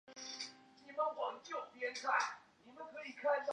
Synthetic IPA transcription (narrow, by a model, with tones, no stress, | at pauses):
ni˨˩mə˨˦nwɑ˨˦ŋt͡ɕjo˥˨ʊpjɛ˦˥nkʰa˥˩nni˨˩mə˦nkʰɤ˧˦i˨˩kʰa˥˧nt̪ɑ˨˩